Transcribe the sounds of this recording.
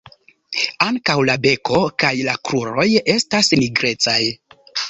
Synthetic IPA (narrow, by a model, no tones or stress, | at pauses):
aŋkawlabe̞ko̞kajlakɾuɾo̞je̞stasmiɡɾe̞t͡saj